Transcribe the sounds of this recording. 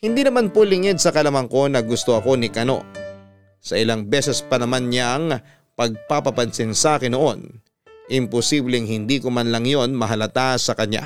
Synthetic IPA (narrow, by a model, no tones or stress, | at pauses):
hɪnd̪iːnɐmanpolɪŋɛd̪̚sɐkɐlɐmɐŋko̞nɐɡʊst̪oʔɐko̞nɪkɐno̞̰ | sɐʔɪlaŋbɛːsɛspɐnɐmanɲaŋ | pɐɡ̚papɐpɐnsɪnsaːkɪnoʔo̞n | ʔɪmpʊsiblɛŋhɪnd̪iːkomanlɐŋjo̞nmɐɦɐlɐt̪asɐkɐɲːa̰